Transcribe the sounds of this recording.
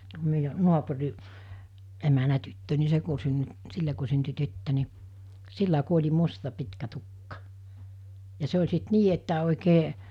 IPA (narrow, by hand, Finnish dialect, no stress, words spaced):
tuo meijæ nuɑpuriʔ emænæ tytːø ni se ku synːy silːe ku synty tytːø ni silːæ ku olʲi mustɑ pitkæ tukːɑ jɑ se olʲ sit niː etːæ oˑikeː